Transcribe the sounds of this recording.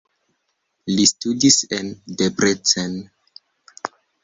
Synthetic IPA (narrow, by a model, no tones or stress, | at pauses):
listudisendepɾet͡sen